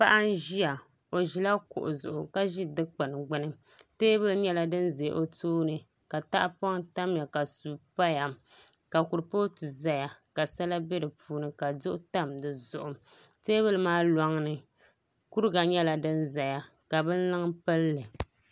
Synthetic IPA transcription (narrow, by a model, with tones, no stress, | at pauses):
pa˦ʔa˦n˦ʒi˦a˨ | o˨ʒi˨la˦kʊ̰˨ʔʊ̰˨zʊ̰˨ʔʊ˨ka˦ʒi˦dɨ˦k͡pɨ˨nɨ˨ɡ͡bɨ˦nɨ˦ | teː˦bɨ˦lɨ˦ɲɛ˦la˦dɨ˦n˦ze˨˦ʔo˦tʰoː˦nɨ˨ | ka˨ta˦ʔpɔ˦ŋta˦mja˨ka˨su˨pa˦ja˨m | ka˨ku˨ɾpo˦tɨ˨za˦ja˨ka˨sa˦la˦bɛ˦dɨ˨puː˦nɨ˨ka˨dʊ˦ʔʊ˦ta˦mdɨ˨zʊ˨ʔʊ˨teː˦bɨ˦lɨ˨˦maː˦la˦ŋnɨ˨ | ku˦ɾɨ˦ɡa˨ɲɛ˦la˨dɨ˦nza˨ja˨ | ka˨bɨ˦n̩˦lɨ˦ŋpɨ˦lːɨ˨